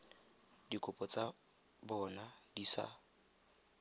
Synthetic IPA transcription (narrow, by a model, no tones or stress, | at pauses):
dikʼʊpʼɔt͡sʼa | bɔnadisa̰